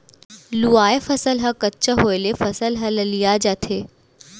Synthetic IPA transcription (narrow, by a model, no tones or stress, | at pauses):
luaːefəsəlɦɐkətːt͡ʃəɦoːelefɐsəlɦɐləlijad͡ʒat̪ʰeː